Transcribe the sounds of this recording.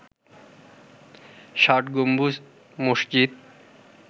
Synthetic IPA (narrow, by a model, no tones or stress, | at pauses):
ʃaʈɡombu | moʃd͡ʑit̪̚